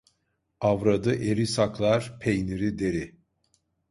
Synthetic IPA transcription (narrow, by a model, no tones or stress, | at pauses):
avɾad̪ɯʔeɾisaklˠaɾpʰejniɾid̪e̞ɾi